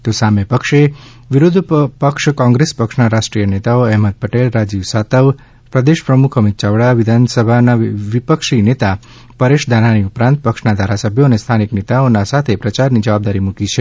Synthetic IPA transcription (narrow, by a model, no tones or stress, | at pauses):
t̪osamepəkʃe | ʋiɾʊd̪ʱpəkʃkɔ̃ŋɡɾespəkʂnaɾaʃʈɾijənet̪aoɛɦməd̪̚pəʈelɾad͡ʒiʋsat̪əʋ | pɾəd̪eʃpɾəmukʰəmit̪̚t͡ʃaʋɽaʋɪd̪ʱansəbʱanaʋipəkʃinet̪a | pəɾeʃd̪ʱananiupɾãnt̪̚pəkʂnad̪ʱaɾasəbʱjoənest̪ʰaniknet̪aonasat̪ʰepɾət͡ʃaɾnid͡ʒəʋab̚d̪aɾimukit͡ʃʰe